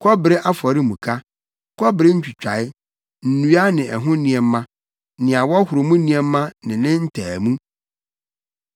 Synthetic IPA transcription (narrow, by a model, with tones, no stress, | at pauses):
kʰɔ˦bɪ˨ɾe˦ʔa˦fɔ˨ɾɪ˦mũ˨kʰa˦ | kʰɔ˦bɪ˨ɾe˦ɲ̩˦t͡ɕᶣʰi˨t͡ɕᶣa˨ɪ˦ | n̩˨nu˦a˦nɪ̃˨ʔɛ˨ɦʊ̃˦nĩ˨ɛ˨m˦mã˦ | nɪ̃˨a˨wɔ˦hʊ˨ɾo˨mũ˦nĩ˦ɛː˦ã˦nɪ̃˨nɪ̃˦n̩˦tʰæː˨mũ˦